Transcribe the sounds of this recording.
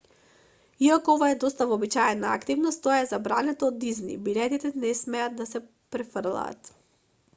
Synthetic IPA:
iakoovaɛd̪ɔst̪avɔːbit͡ʃaɛnaa̰kt̪ivnost̪ːoaɛzabɾanɛt̪oːd̪iznḭbilɛt̪it̪ɛnɛsmɛat̪̚d̪asɛ | pɾɛfəɾlˠa̰ːt̪

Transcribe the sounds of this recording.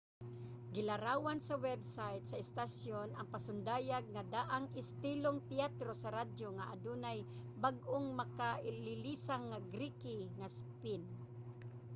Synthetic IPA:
ɡɪlaɾaːwansawɛbsajt̪̚saɛst̪asjonɐŋpasʊnd̪aːjaɡ̚ŋad̪aʔaŋɪst̪iloŋp̪ɪat̪ɾosaɾadjoŋaʔad̪unaj | baɡʔoŋmakaʔɪlɪlisaŋːaɡɾikɪŋaspɪn

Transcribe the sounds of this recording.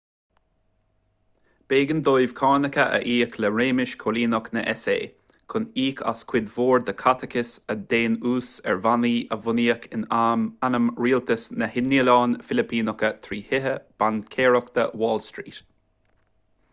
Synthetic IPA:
b̥eːɡənd̪ojv̥kʰɑːnəkəʔə̰ʔiːkʰləɹeːmɪʃkʰoliːnɔknəʔɛsḛː | kʰʊniːkʰa̰skʰw̥ɪd̪voːɹd̪əkʰat̪ʰəkʰɪsəd̪eːnuːsɛ̰ɹvaniːʔəvʊniːəkʰɪnaːmanəmɹiːlt̪əsnəhɪnːiəlɑːnfɪlɪpʰiːnɔkət̪ʰɾiːhɪɦəb̥ankʰeːɹɔkt̪əwɔːlstɹḭːt̪

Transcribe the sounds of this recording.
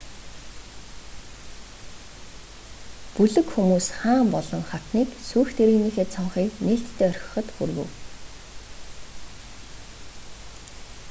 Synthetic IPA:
puɮɵ̆kxumuːsχaːmpɔɮɞ̆ŋχat̪niːksujxt̪ʰeɾniːxeːt̪t͡sʰɔɴχiːkneːɬt̪ʰːeːœrʲxʲə̥̆χɞ̆t̪xṵrɣṵ̆w

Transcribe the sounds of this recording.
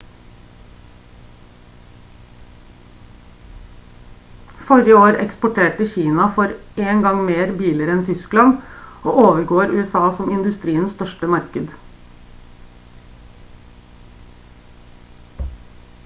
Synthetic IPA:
fɔɾɪəoːɾɛ̰kspʊʈʰeːʈəçiːnɑfɔɾeːŋɡɑŋmeːɾbiːləɾəɛnt̪ʰʏsklɑnoːoːʋəɾɡoːɾʉ̰ːɛsɑːsɔmɪnd̪ʉst̪ɾiːənsst̪œʃʈəmɑɾkəd̪

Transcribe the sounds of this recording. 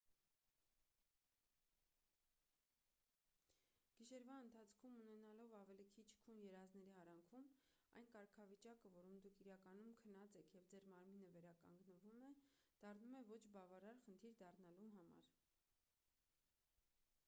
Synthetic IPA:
ɡ̥iʃɛɾvɑənt̪ʰɑt͡sʰkʰumunɛnɑlɔvɑvɛlikʰit͡ʃʰkʰunjɛɾɑznɛɾiɑɾɑŋkʰumɑ̰jnkɑɾkʰɑvit͡ʃɑkəvɔɾɔnd̪ukʰiɾɑkɑn̪umkʰənɑt͡sɛkʰjɛvd͡zɛɾmɑɾminəvɛɾɑkɑ̰ŋɡnəvumɛd̪̥ɑrnumɛvɔt͡ʃʰbɑvɑɾɑɾχənt̪ʰiɾd̪ɑrnɑluɦɑmɑ̰ɾ

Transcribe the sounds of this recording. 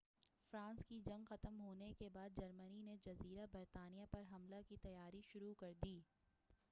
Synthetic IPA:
fɾãːnskid͡ʒɐ̃ŋɡxɐt̪əmɦoːnekebaːd̪̚d͡ʒɐɾmənined͡ʒɐziːɾabɐɾt̪aːnijapɐɾɦɐmlakit̪ɐjaːɾiʃʊɾukɐɾd̪iː

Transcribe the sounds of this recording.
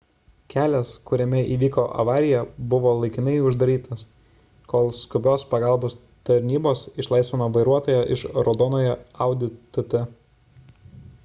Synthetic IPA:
kʲæːlʲɛskʊɾʲɛmʲɛiːʋʲiːkoʔɐ̰ʋɑːɾʲɪjɛbʊʋoːlˠɐɪkʲɪnɐɪʊʒd̪ɐɾʲiːt̪ɐs | koːlˠskʊbʲoːspɐɡɑˑlˠboːs | t̪ɐɾʲnʲiːboːsɪʃlˠɐɪsʲʋʲeːmɐʋɐɪɾuɔt̪oːjɛʔɪʃɾɔd̪ɔːnoːjɛɐʊd̪ʲɪt̪ʊt̪ʲɛ

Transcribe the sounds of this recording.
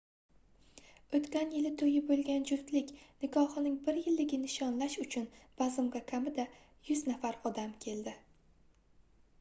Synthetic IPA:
ot̪kʲanjɪlɪt̪ʰɵjɪbolˠɡʲand͡ʒʊɾt̪lɪkʲnɪkʰɒhɨnɪŋbɪɾjɪlːɪɡʲɪnɪʃɒnlaʃʊt͡ʃʰʊnb̥azɪmɡʲakʰʲamɪd̪a | jʊznafaɾɒd̪amkʲʰe̞ld̪ɪ

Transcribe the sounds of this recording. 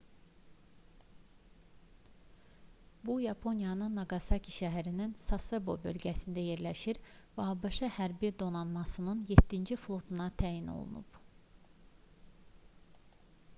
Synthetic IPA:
bujɑpʰo̞njɑnɯnːɑɡɑsɑcʰi̥ʃæɦæɾininsɑsebo̞̰bø̞̰lɟæsind̪æje̞ɾlæʃiɾvɛɑbɑʃɑhæɾbid̪o̞nɑnmɑsɯnɯnje̞t̪ʰːind͡ʒiflˠo̞t̪ʰunɑt̪ʰæjino̰lˠṵnṵb

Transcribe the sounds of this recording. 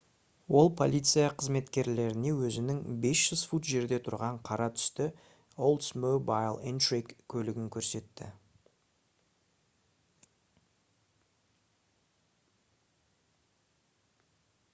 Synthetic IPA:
wo̞lˠpʰo̞̰lʲijt̪sɨjɑqʰəzme̞t̪kʲe̞ɾle̞ɾɪne̞wɵzɪnɪŋbe̞sʒ̥ʏzfut̪ʒe̞ɾd̪e̞t̪ʰʊɾʁɑɴqʰɑɾɑt̪ʰʏ̥st̪ɪ | olˠd̪smobajlˠent̪ɹikkʲʰːɵlɪɡʲɪŋkʲʰɵɾse̞t̪ːɪ̰

